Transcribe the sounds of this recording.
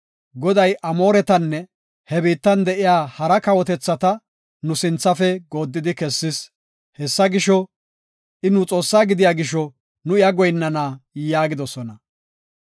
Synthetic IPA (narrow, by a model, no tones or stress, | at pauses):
ɡɔd̪ɐjʔɐmo̞ːɾɛt̪ɐnːɛ | hɛbiːt̪ːɐnd̪ɛʔɪjaːhɐɾɐkɐwɔt̪ɛt͡sːɐt̪ɐ | nʊsɪnt͡sːɐfɛɡo̞ːd̪ːɪd̪ɪkɛsːɪs | hɛsːɐɡɪʃɔ | ʔɪnʊt͡sʼo̞ːsːaːɡɪd̪ɪjaːɡɪʃɔ | nʊɪjɐɡɔjnːɐnaːjaːɡɪd̪ɔsɔnɐ